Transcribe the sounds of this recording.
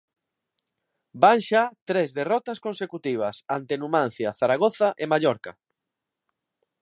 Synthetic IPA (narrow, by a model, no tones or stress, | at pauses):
baŋʃat̪ɾezðerɔt̪ɐskõnsekut̪iβ̞ɐsant̪enumãn̟θjaθaɾaɣ̞oθaʔemaʎɔɾka̰